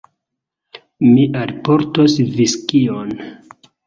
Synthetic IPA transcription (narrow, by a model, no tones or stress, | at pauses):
miʔalpoɾtosviskion